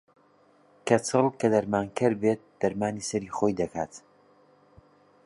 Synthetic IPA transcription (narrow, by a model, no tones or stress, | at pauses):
kʰɐt͡sʰɨlˠkʰɐd̪ɐɾmaːnkʰɨɾbeːt̪̚d̪̥ɐɾmaːnisɐɾiːχoːjd̪ɐkʰaːt̪